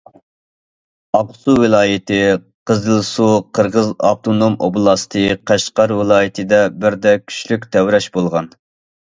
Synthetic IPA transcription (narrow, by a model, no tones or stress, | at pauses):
ɑqsuwɪlˠɑːjɪt̪ɪ | qʰəzɨlˠsuqʰəɾʁəzɑ̰b̚t̪ʰonomo̰blˠɑst̪ʰɨqʰæʃqɑɾwɪlˠɑːjit̪ʰɨd̪ɛbɪɾd̪ɛkʲʰy̥ʃlykʲt̪ʰɛwɾɛʃbolˠʁɑn